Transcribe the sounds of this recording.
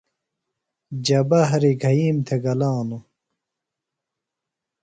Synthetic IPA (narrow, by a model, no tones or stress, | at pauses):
d͡ʑɐbɐɦɐɾiɡʱɐjiːmt̪ʰeɡɐlaːnu